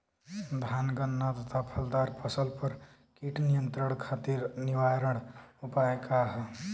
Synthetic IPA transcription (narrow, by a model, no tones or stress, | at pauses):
d̪ʱanɡənːat̪ət̪ʰapʰəld̪aɾpʰəsəlpəɾ | kiʈnijənt̪ɾəɽ̃kʰat̪iɾniʋaɾəɽupaekaɦ